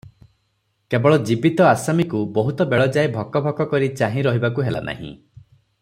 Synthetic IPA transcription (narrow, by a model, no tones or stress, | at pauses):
kebɔɭɔd͡ʒibit̪ɔasamikubɔɦut̪ɔbeɭɔd͡ʒajbʱɔkɔbʱɔkɔkɔɾit͡ʃaɦĩɾɔɦibakuɦela̰nʔa̰ɦḭ̃